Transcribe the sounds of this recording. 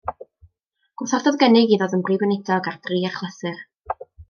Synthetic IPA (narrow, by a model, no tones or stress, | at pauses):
ɡ̥wʊθɔrdɔðɡənɪɡiðɔðənbrivənɪdʰɔɡard̥riːarχlˠəθɨr